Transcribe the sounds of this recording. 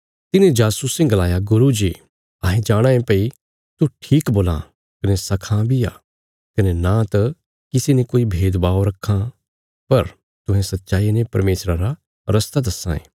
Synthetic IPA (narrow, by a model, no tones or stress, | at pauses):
t̪ɪnẽd͡ʒaːsusɪ̃ŋɡlaːjaɡʊɾud͡ʒi | ɐːɦẽd͡ʒaːɽ̃ãẽpɐi | t̪uʈʰiːkboːlã̰ | kɐnesɐkʰãbʱia̰ː | kɐnenãt̪ɐ | kɪsenekoːibʱeːd̪baːoɾɐkʰːã | pɐɾ | t̪ʊ̃ɦẽsɐt̪ːʃaːinẽpɐɾmeːsɾaɾa | ɾɐst̪ad̪ɐsːã̰ḛ̃ː